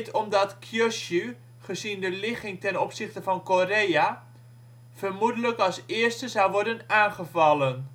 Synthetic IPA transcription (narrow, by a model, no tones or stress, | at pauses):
tʰɔmdɑtkʰjøsy | χəzindəlɪχɪŋtɛnɔpsɪχtəvɑnkoreja | v̥ərmudələkɑlˠsɪərstəzɑwʋɔɹdənaːnχəvɑlən